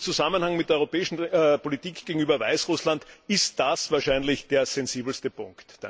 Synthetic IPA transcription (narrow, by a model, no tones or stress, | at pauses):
t͡suzamənhaŋmɪt̚deːɐɔʁopɛːɪʃn̩politiːkɡ̥eɡŋ̩yːbɐvaɪsʁʊslandɪst̚d̥asv̥aːɐʃaɪnlɪçd̥eːɐz̥ɛnziːbl̩stəpʰʊ̃ŋktd̥a